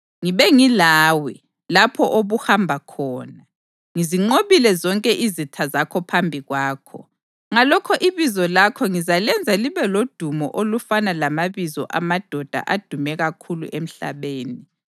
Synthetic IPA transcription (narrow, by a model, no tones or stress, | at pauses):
ŋiβɛŋilaːwɛ | lapʰɔʔoβuhambʱakʰɔːna | ŋiziŋ͡ǃoβilɛzɔŋkʼɛʔizitʰazakʰɔpʰambʱiɣwaːkʰɔ̰ | ŋalɔkʰɔʔiβizɔlakʰɔŋizalɛnd͡zʱaliβɛlod̥ʱumɔ̰ʔolufanalamaβizɔ̰ʔamad̥ʱɔd̥ʱa̰ʔad̥ʱumɛɣakʰulṵʔem̩ɬa̰βeːni